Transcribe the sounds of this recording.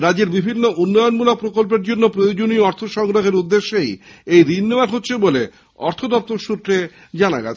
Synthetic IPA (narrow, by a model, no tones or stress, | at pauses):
ɾad͡ʑeɾbibʱinːoʔunːɔjonmulok̚pɾokolp̬eɾd͡ʑonːopɾojod͡ʑonioɔɾt̪ʰoʃɔŋɾoɦeɾud̪ːeʃːejejɾinːebaɾɦotːɕʰebole | ɔ̰ɾt̪ʰod̪ɔp̚t̪oɾʃut̪ɾe | d͡ʑana̰ɡɛ̰t͡ɕʰ